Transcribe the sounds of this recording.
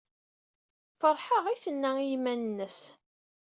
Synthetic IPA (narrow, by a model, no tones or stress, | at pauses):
fəɾˤħəʁiθənːæijmænənːəs